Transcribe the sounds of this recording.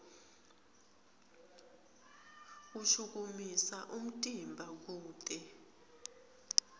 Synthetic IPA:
uʃuk̬umisaʔum̩tʼimbʱak̬uːtʼɛ

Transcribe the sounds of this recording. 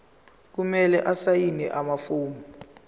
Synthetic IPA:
k̬umɛlɛʔasajinɛ̰ʔamafuːmu

